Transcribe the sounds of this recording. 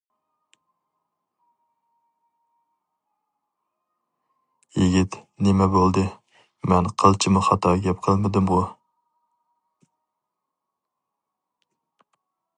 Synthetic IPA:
jiɡʲit̪nɪmɛbolˠd̪ɨ | mɛnqʰəlˠt͡ʃʰɪmʊχɑt̪ʰɑɡʲɛp̚qʰəlˠmɪd̪ɪmʁʊ

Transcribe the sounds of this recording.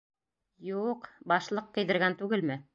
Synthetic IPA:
juqbɑʃlˠɤqːɤ̆jðɘ̆ɾɡænt̪ʉɡɘlmɘ

